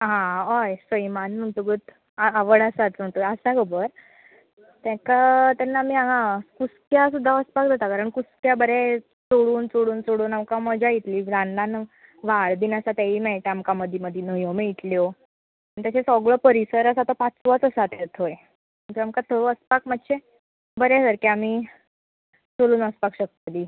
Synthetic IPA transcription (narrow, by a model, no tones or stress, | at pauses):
ɦãɦəjsəjmanm̤əɳʈuɡət̪ | aaʋəɽasat͡sm̤əɳt̪ojəsãɡəbəɾ | t̪ɛ̃kat̪anːamiːaɦãkuskjasud̪ʱːaəspak̚d͡z̪ʱat̪akaɾəɳkuskjabəɾe | soɽuːnt͡soɽuːnt͡soɽuːnamkaməd͡ʑʱait̪liːd͡zanːan | ʋaɭd̪iːnəsat̪aiːmɛɭʈamkaməd̪ʱjiməd̪ʱinəjomeit̪ljo | anit̪jat͡ɕesɔɡɭəpəɾisəɾəsat̪ɔpat͡sʋat͡səsat̪eɾt̪ʰoje | mət̪əamkat̪ʰooəspakmat̪ːɕʰe | bəɾesəɾkaamiː | t͡soɭuːnəspakɕək̚t̪liː